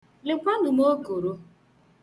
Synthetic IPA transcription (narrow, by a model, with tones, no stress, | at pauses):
lɪ˨kʷa˦nʊ˨mo˦ɡo˨ɾo˦